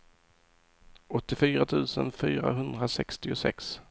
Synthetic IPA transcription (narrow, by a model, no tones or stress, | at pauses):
ɔt̪ːɪfyːɾat̪ʰʉ̟ːsənfyːɾa̰ɦɵnd̪ɾasɛkst̪ɪʊsɛ̰ks